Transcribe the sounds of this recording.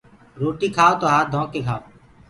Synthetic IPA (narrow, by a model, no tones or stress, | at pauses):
ɾoːʈiːkʰaːot̪oɦaːd̪ʱõːkːeːkʰaːo